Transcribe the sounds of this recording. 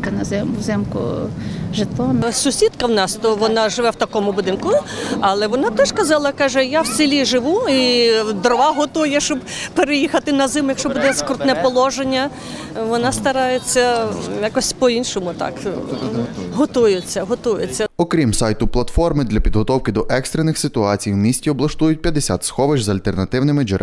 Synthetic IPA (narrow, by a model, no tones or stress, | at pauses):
t̪ɪnɐzɛmzɛmkʊ̰ʒɪt̪ɔmsʊsʲid̪kɐwnɑst̪ɔʋɔnɑʒɪʋɛwt̪ɐkɔmʊbʊd̪ɪnkʊɐlˠɛʋɔnɑt̪ɔʃkɐzɑlˠɐkɑʒɛjawsʲɪlʲiʒɪʋuid̪ɔrʋɑɦɔt̪ujɛʃt͡ʃɔb | peɾejixɐt̪ɪnɐzɪmjɐkʃt͡ʃɔbud̪ɛskɔrt̪nɛpɔlˠɔʒenʲːɐ | ʋɔnɑst̪ɐɾɑjet͡sʲːɐjakɔsʲpɔinʃɔmʊt̪ɑ̰k | ɦɔt̪ujɪt͡sʲːɐɦɔt̪ujet͡sʲːɐɔkɾʲimsajt̪ʊplˠɐt̪fɔrmɪd̪lʲɐpʲid̪ɦɔt̪ɔwkɪd̪ɔʔɛkst̪ɾenːɪxsɪt̪ʊɑt͡sʲijwmʲisʲtʲiɔblˠɐʃt̪ujʊt̚ʲpʲjɐd̪esʲa̰t̪sxɔʋɪd͡ʒʲzɐlʲt̪ernɐt̪ɪwnɪmɪd͡ʒɪ